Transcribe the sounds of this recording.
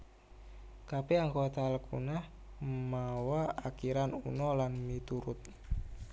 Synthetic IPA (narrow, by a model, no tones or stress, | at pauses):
kapɛaŋkot̪aləkʰunah | mawaakiɾanṵnɔlanmit̪uɾʊt̪̚